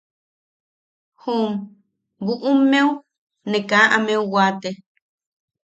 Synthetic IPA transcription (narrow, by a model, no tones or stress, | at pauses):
hum | buʔumːeu | nekaːʔameuwaːt̪e